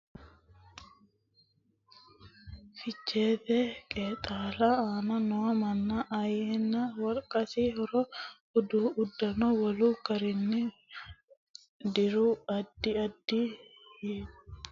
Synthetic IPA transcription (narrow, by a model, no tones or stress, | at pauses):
fɪt͡ʃːeːt̪ɛkʼeːt̪ʼaːlaaːnɐnɔɐmɐnːaʔɐjenːɐwɐɾkʼɐsihɔɾɔhɔd̪uːʊd̪ːɐnɔwɐluːɡɐɾɪnːɪ | d̪ɪɾuɐd̪ːɪɐd̪ːieːʊ